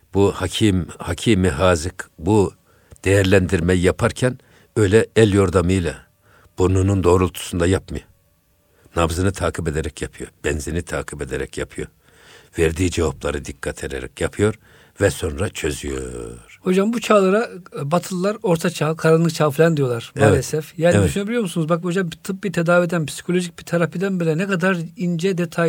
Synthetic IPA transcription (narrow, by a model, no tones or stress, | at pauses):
buhacʰimhacʰimiɦaːzɯkbu | d̪̥ejæɾlʲænd̪iɾmɛjjapʰaɾcʰæn | ø̞jlʲɛɛlʲjo̞ɾd̪amɯjlˠa | b̥ununund̪o̞ːɾulˠt̪ʰu̥sund̪ajapmɯjo | navzɯnɯt̪ʰaːkʰibe̞d̪eɾɛcjapʰɯjo̞̰ɾbɛnzenit̪ʰaːkʰibe̞d̪eɾɛcjapʰɯjo̞ɾ | vɛɾd̪iːd͡ʒevaplˠaɾɯd̪ikʰːat̪ʰeɾeɾɛ̰cjapʰɯjo̞ɾ | vɛso̞nɾat͡ʃʰø̞zyjo̰ɾ̥ho̞d͡ʒambut͡ʃʰaːlˠaɾabat̪ʰɯlˠlːˠaɾo̞ɾt̪ʰat͡ʃʰaɦkʰaɾanlˠɯk̚t͡ʃʰaːflʲɛnd̪ijo̞lˠaɾ̥balesɛfjaːnid̪yʃynebilʲijo̞ɾmusunuzbakho̞d͡ʒambt̪ʰɯp̚bit̪ʰed̪aːvied̪ænpʰi̥si̥kʰo̞lʲo̞ʒic̚bit̪ʰaɾapʰid̪ænbelʲɛnɛkad̪aɾind͡ʒɛd̪et̪ʰa